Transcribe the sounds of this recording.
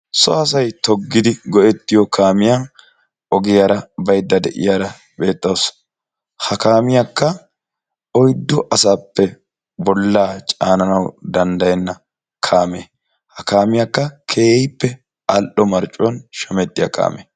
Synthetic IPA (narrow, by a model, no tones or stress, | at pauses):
sɔɐs̬ɐjt̪ɔɡːɪd̪ɪɡɔʔɛt̪ːɪjɔkʰaːmɪjaːn | ʔɔɡɪjaːɾɐbɐjd̪ːɐd̪ɛʔɪ̰jaːɾɐ | be̞ːt̪ʼːɐws | hɐkaːmɪjakːɐ | ɔjd̪ːɔʔɐsaːpːɛ | bɔlːaːt͡ʃʼaːnɐnɐwd̪ɐnd̪ɐjɛnːɐ | kʰaːme | hɐkaːmɪjakːɐkʰeːpːɛ | ɐlʔɔmɐɾt͡ʃʼːɔnʃɐmɛt̪ʼːɪjɐ̰ka̰ːme